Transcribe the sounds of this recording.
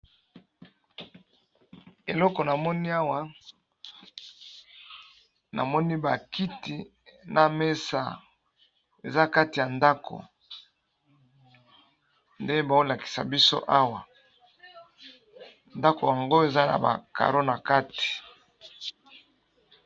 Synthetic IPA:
e˨lɔ˦kɔ˨na˨mɔ˦ni˦a˦wa˦ | na̰˨mɔ˦ni˦ba˨ki˦ti˨ | na˨me˦sa̰˦˨ | e˨za˦ka˦ti˨ja˨nda˦kʰo̰˨ | nde˦ba˨o˦la˨ki̥˨sa̰˨bi˦so̰˦ʔa˦wa˨ | nda˦ko˨ja˨ŋɡo˦e˨za˦na̰˨ba̰˨ka̰˨ɾo˦na˨ka˦ti̥˨

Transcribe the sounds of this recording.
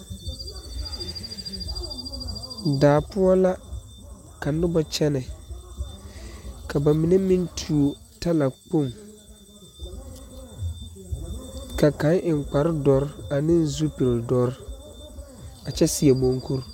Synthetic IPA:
daː˨pʊ˦ɔ˦la˦ | ka˨n˦dɪ˦bɔ˦t͡ʃɛ˦nɛ˨ | kʰa˨ba˨mi˨ne˦mɪ˦ntʰu˨o˨ | ta˦la˨k͡po˦˨m | ka˨ka˨˦ŋʔɪ˨ŋ˨k͡pa˨ɾɪ˦dɔ˨ɾɪ˦a˨nɪ̃˦n˦zu˦pi˨ɾɪ˨dɔ˦ɾ | a˨t͡ʃɛ˦si˨ɛ˨bo˦ŋku˦ɾ

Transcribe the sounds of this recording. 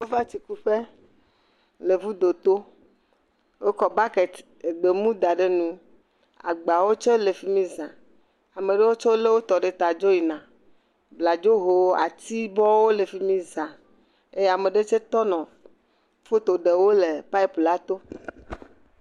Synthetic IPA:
wo˦va˦t̪i˨ku˦ɸe˦ | le˨vu˦d̪o˨t̪o˦ | wo˦kɔ˨ba˦ke˨t̪ | e˨ɡ͡be˨mũ˦d̪a˨ɖe˦nũ˦ | a̰˨ɡ͡ba˨wo˦t͡ʃe˦le˨fi˦mĩ˦zã˨ | a˨mẽ˨ɖe˦wo˦t͡ʃɔ˦le˦wo˦t̪ɔ˨ɖe˨t̪a˨d͡ʒo˦ji˨nã˨ | bla˨d͡ʒo˦ɦo˨˦a̰˨t̪i˦bɔ˦wo˦le˨fi˦mĩ˦zã˨ | e˦je˦a˨me˨ɖe˦t͡ʃe˦t̪ɔ˦nɔ̃˨ | fo˦t̪o˨ɖe˨wo˦le˨pa˦i˦pu˨la˦t̪o˦

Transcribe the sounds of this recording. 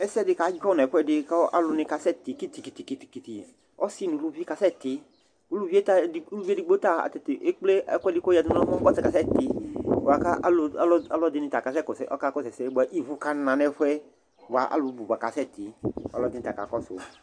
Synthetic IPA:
ɛ˦sɛ˦dɪ˧ka˨˦d͡ʒɔ˦nɛ˨ɸʷwɛ˦dɪ˧kɔ˦ʔa̰˦lʊ˧nɪ˧ka˧sɛ˦t̪i˨ki˦t̪i˨ki˨ti˨ki˧ti̥˨ki˨t̪i˨ | ɔ˦si˦nũ˨˦lu˦vi˦ka˨sɛ˦t̪ɪ˨˦ | u˦lu˦vi˦e˦ta˦˨i˨˦lu˦i˦di˨˦ɡ͡bo˦t̪a˦˨a̰˨t̪ɛ˨t̪e˨ʔe˦k͡ple˦ɛ˦kʷɛ˦di˦ko˦ja˨dĩ˦nɔ̃˦hɔ˦kɔ˦tɛ˨ka˨sɛ˦t̪i˨a˨ka˦ʔa̰˦la˦lɔ˦a˦lɔ˦dɪ˧nɪ̃˧ta˨ka˨sɛ˦kɔ˨sɛ˨ʔɔ˦ka˦kɔ˦sɛ˨sɛ˨˦bu˨a˨ʔi˦˨vu˧ka˦nã˨nɛ˨˧ɸɛ˦ | ba̰˨ʔa̰˦lʊ˧˨˦bu˨a˨ka˨sɛ˦˨t̪i˨˦a̰˨lɔ˦dɪ˨˦nɪ̃˧t̪a˨ka̰˨kɔ˦so̰˨

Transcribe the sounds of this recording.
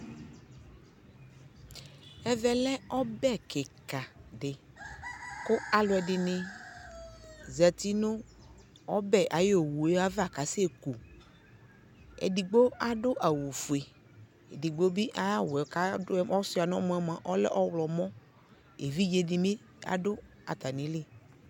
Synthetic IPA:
ɛ˦vɛ˨lɛ˦ɔ˦bɛ˦kɪ˨ka˨ɖɪ˨ | kʊ˦a˦lʊ˨˦ɛ˨dɪ˨nɪ˦ | zɛ˨t̪i˦nʊ̃˦ | ɔ˦bɛ˨ʔa˨jo˨wu˨e˨˦a˦va˨ka˨sɪ˦e˦˨ku˨ | ɛ̰˨di˨ɡ͡bo˦a˦dʊ˦ʔa˨wu˨fu˨e˨ | ḛ˨di˨ɡ͡bo˦bɪ˦ʔa˦wɛ˨ka˨˦ʊ˦ɔ˦sʊ˦a˨nɔ̃˦mɔ˨˦ɛ˦m˨a˨ʔɔ˦lɛ̰˦ʔɔ˦wlɔ˨mɔ̃˦ | e˨vi˦d͡ʒe˨dɪ˨mɪ˦ | a̰˨dʊ˦ | a̰˨t̪a˨nɪ̃˨˦lɪ˦

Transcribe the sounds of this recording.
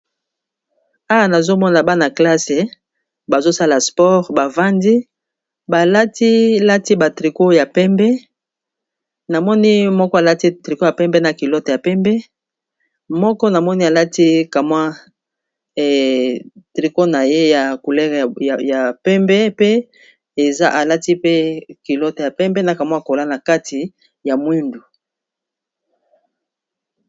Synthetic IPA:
a˦wa˦na˨zo˦mɔ˦na˨ba˦na˨kla˦se˨ | ba˨zo˦sa˦la˨spɔ˦ʁba˨va˦ndi˦ | ba˨la˦ti˦la˦ti˦ba˨tʁi˨ko˦ja˨pɛ˦mbɛ˦ | na˨mɔ˦ni˦mɔ˦kɔ˦a˨la˦ti˦tʁi˨ko˦ja˨pɛ˦mbɛ˦na˨ki˨lɔ˦tɔ˨ja˨pɛ˦mbɛ˦ | mɔ˦kɔ˦na˨mɔ˦ni˦a˨la˦ti˦ka˨mwa˦˨ | tʁi˨ko˦na˨je˦ja˨ku˨lɛ˦˨a˨ja˨pɛ˦mbɛ˦pe˦ | e˨za̰˦ʔa˨la˦ti˦pe˦ki˨lɔ˦tɔ˨ja˨pɛ˦mbɛ˦na˨ka˨mwa˦˨ko˨la˦na˨ka˦ti˨ | ja˨mwi˦ndu˨

